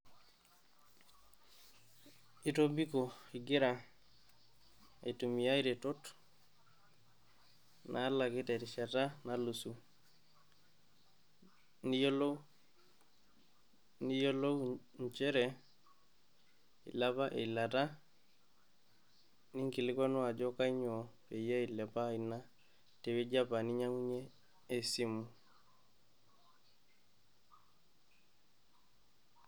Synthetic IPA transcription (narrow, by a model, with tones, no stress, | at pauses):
i˦to˦bi˦ko˨i˨ɡe˦ɾa˨ | ḛ˨tu˨mi˨ja˦iɾe˨to˦t | nʔa˨˦la˨ɡɪ˦te˨ɾi˨ʃa˨ta˦na˨lu˨su˨ | nijo˦lo | ni˦jo˦lo˦w | ɲ˨t͡ʃɛ˦ɾɛ˨ | ḭ˨la˦βa˦ʔe˨i˨la˨ta˦ | ni˦ŋki˨lɪ˦kɔ˦nɔ˦a˨d͡ʒɔ˦ka˦i˦ɲɔ˨pe˨ja˦i˨lɛ˨pa˦˨i˨na˦ | te˨we˦d͡ʒa˦pa˨ni˦ɲa˦ŋu˦ɲɛː˦ | si˦mu˨